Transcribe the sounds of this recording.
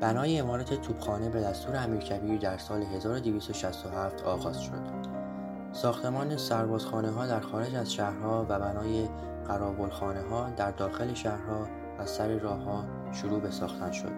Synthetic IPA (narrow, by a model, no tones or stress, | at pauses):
b̥ænɒːjeːmɒːɾæt̪ʰet̪ʰuːb̥xɒːne̞be̞d̪æst̪uːɾeæmiːɾcʰæbiːɾd̪æɾsɒːle̞ɦe̞zɒːɾod̪eviːst̪oʃæst̪oɦæːft̪ʰɒːɣɒːz̥ʃo̞̰d̪̥ | sɒːxt̪ʰe̞mɒːnesæɾbɒːz̥xɒːneɦɒːd̪æɾxɒːɾe̞d͡ʒæzʃæhɾhɒːvæbænɒːje | ɢæɾɒːbo̞lxɒːneɦɒːd̪æɾd̪ɒːxe̞leʃæhɾhɒː | æsæɾiɾɒːhːɒː | ʃoɾuːbe̞sɒːxt̪ʰænʃo̞̰d̪̥